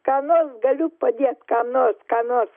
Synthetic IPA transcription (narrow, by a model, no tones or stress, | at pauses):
kanɔsɡɐlupːəd̪iɛt̪kanɔskanɔs